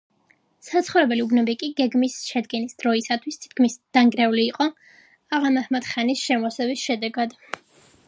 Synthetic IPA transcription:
sat̪sχɔvɾɛbɛliubnɔbikʼiɡɛɡmisʃɛd̪ɡɛnisd̪̥ɾɔisat̪ʰwist̪ʰi̥t̪̚kʰmisd̪̥aŋɡɾɛuliːqʼɔ | aʁamahmat̪χanisʃɛmɔsɛbisʃɛd̪ɛɡad̪

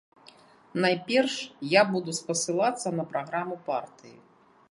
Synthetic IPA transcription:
najpʲɛrʂjabud̪uspɐsɨlˠat̪sːɐnɐpɾaɣɾamupart̪ɨjḭ

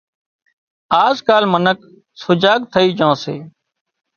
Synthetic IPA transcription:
aːzkaːlmənək | sʊd͡ʒaːɠ̚t̪ʰəiːd͡ʒõːsḛː

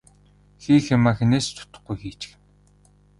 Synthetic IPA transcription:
xiːxemaxeneːst̪ʰʊ̥t̪ə̥̆χɡujxiːt͡ɕɪ̥̆xɘ̆n

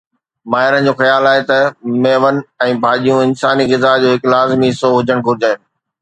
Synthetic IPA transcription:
maːɦɪɾən̆d͡ʑoːxɐjaːlaːɦet̪ɐmeːʋənɪ̆ɛ̃ːbʱaːɗijũɪnsaːniɣɪzaːd͡ʑoːɦɪklaːzmiɦɪsoɦʊd͡ʑəɽ̃ɡʱʊɾɪd͡ʑaːen

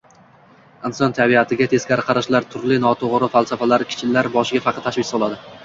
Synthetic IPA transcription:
ɪnsɒnt̪ʰabiat̪ʰɪɡʲat̪ʰe̞z̥kʲaɾɪqʰɑɾaʃlaɾt̪ʰʊɾlɪnɒt̪ʰoʁɾɪfalˠsafalaɾkʲʰɪ̥t͡ʃʰɪlːaɾbɒʃɪɡʲafɑqʰɑt̪ʰaʃvɪkʲsɒlˠad̪ɪ

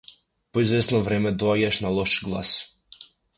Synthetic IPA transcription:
poizvɛsnɔvɾɛmɛd̪ɔaɟaʃnalˠɔʃɡlˠa̰s

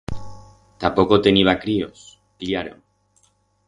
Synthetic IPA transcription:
t̪apokot̪eniβ̞akɾio̰s | kliaɾoŋ

